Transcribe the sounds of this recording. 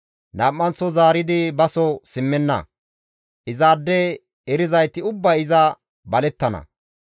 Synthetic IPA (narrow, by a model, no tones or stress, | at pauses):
nɐːʔːɐnt͡sːɔzaːɾɪd̪ɪbɐsɔsɪmːɛnːɐ̰ | ʔɪzaːd̪ːɛ | ɛɾɪzɐjt̪ɪʊbːɐɪzɐ | bɐlɛt̪ːɐnɐ̰